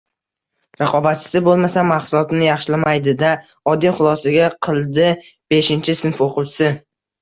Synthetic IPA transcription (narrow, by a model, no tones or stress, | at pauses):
ɾɑqʰɒbat̪̚t͡ʃʰɪ̥sɪbolˠmasamaχsʊlˠɒt̪nɪjɑχʃɪlamajd̪ɪd̪a | ɒd̪ːijχʊlˠɒsaɡʲaqʰɨlˠd̪ɪ | b̥e̞ʃɪnt͡ʃʰɪsɪnfoqʊwt͡ʃʰɪ̥sɪ